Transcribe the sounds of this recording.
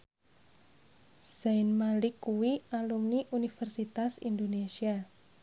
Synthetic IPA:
saɪnmalɪkːuwialumniʔunifɛrsit̪asḭnd̪onesia

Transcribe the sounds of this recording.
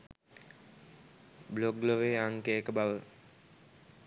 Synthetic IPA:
bloɡloʋeaŋkeːkəbaʋə

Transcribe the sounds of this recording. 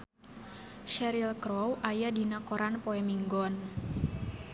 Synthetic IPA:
ʃɛɾilkɾɔwʔajadinakɔɾanpoɛmiŋɡɔn

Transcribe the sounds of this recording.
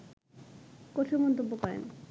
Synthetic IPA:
kot̪ʰomɔnt̪obːokɔɾḛn

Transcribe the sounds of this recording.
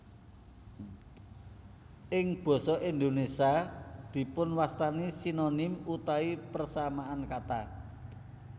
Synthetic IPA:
ʔɪŋb̥ɔ̤sɔʔind̪onesiad̪̥i̤pʊnwast̪anisinonɪmut̪aipərsamaankat̪a

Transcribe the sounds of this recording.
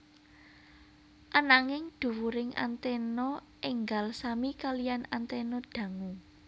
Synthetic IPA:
ʔanaŋɪŋd̪̥ṳwuɾɪŋa̰nt̪ɛnɔ | ʔeŋɡalsamikalijanant̪ɛnɔɖ̥ä̤ŋu

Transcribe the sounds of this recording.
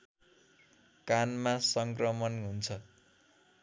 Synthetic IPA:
kanmasʌŋkrʌmʌnɦunt͡sʰʌ

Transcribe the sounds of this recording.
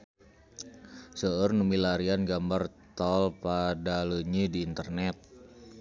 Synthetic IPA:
səərnumilaɾianɡambart̪ɔlpadaləɲidiːnt̪ərnɛt̪̚

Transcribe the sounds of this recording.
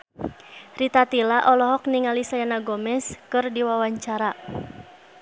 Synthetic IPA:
rit̪at̪ilaʔɔlɔɦɔk̚niŋalisajanaɡɔmɛskɨrdiwawaɲt͡ʃaɾa

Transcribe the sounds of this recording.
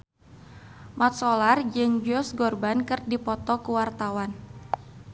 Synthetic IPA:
mat̪̚solard͡ʒɨŋd͡ʒɔsɡɔrbankɨrdipɔt̪ɔkuwart̪awan

